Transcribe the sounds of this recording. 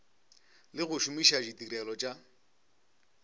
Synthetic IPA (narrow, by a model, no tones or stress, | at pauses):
lɪɣʊʃʊmiʃad͡ʒitʼiɾɛlɔt͡ʃʼa